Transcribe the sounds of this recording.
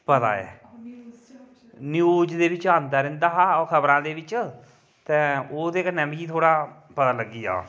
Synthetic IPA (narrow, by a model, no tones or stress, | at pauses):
pət̪a̰ːɛ̰ː | njuːd͡ʒd̪eːbɪt͡ʃãːnd̪aːɾɪ̃nd̪aːɦaːkʰəbɾãːd̪eːbɪt͡ʃ | t̪ɛ̃ːoːd̪eːkənɛ̃ːmkiːt̪ʰoːɽaːpət̪aːləɡːiːa̰ː